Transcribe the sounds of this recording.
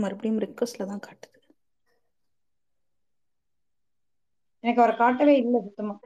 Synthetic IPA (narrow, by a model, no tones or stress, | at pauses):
mɐɾpːɐɽijʊmɾɪkʋɐslɐt̪ãːkaːʈːɯ̥ðɯ | ɛnɐkːɐʋɾɐkaːʈːɐʋeːɪlːɐsʊt̪ːɯmaː